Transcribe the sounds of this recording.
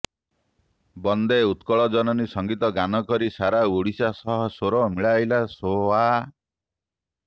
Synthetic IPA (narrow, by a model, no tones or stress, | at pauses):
bɔnd̪eut̪kɔɭɔd͡ʒɔnɔnisɔŋɡit̪ɔɡanɔkɔɾisaɾaoɽisasɔɦɔsoɾɔmiɭajlasowa